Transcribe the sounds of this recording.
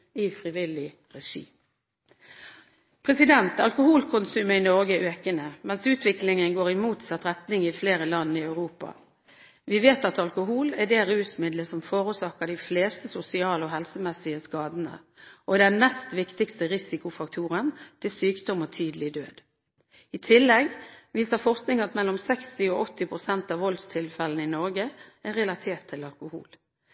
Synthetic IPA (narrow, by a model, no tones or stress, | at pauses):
ɪfɾɪʋɪlɪ | ʁɛʂḭː | pʰʁɛsɪd̪ɛnt̪ɑ̰lkʊhuːlkʰʊnsʉːməɪnɔʁɡəʔøːkənəmɛnsʉːt̪ʋɪklɪŋənɡoːʁɪmuːt̪sɑt̪ɾɛt̪nɪŋɪfleːɾəlɑnːəɪɑʉʁuːpɑ̰ | ʋɪʋeːt̪ɑt̪ɑlkʊɦuːlæɖ̪ɛːʁʉːsmɪd̪ləsɔmfoːɾʊsɑkəd̪ɪfleːst̪əsʊsɪɑːloːɦɛlsəmɛsɪəskɑːd̪ənə̰ | ʔɔd̪ɛnnɛst̪ʋɪkt̪ɪkst̪əʁɪsɪkʊfɑkt̪ʰuːʁənt̪ʰɪlsyːkd̪ɔmɔt̪ʰyːd̪əlɪd̪øːd̪ | ɪt̪ʰɪlːɛɡʋiːsəfɔʁsknɪŋɑt̪mɛlːɔmsɛkst̪ɪoʔɔt̪ːɪpʰʁʊsɛnt̪ɑːʋɔld̪st̪ʰɪlfɛlənɪnɔʁɡəæɾɛlɑt̪ʰeːt̪ʰːɪlɑlkʊhṵːl